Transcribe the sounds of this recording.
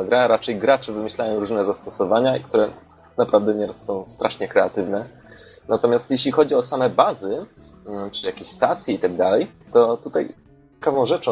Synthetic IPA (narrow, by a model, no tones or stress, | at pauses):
aɡɾaɾat͡ʂɛjɡɾat͡ʂɘvɘmɘɕlajɔ̃w̃ɾuʐnɛzast̪ɔsɔvaɲaikt̪uɾɛ | napɾavd̪ɛɲɛɾasːɔ̃w̃st̪ɾʔaʂɲɛkɾɛat̪ɘvnɛ | nat̪ɔmʲjast̪jeɕlʲixɔd͡ʑiɔsamɛbazɘ | t͡ʂɨjakʲeɕst̪at̪sʲjɛit̪aɡ̚d̪alɛjt̪ɔt̪ut̪a̰j | kavɔ̃w̃ʐɛt͡ʂɔ̃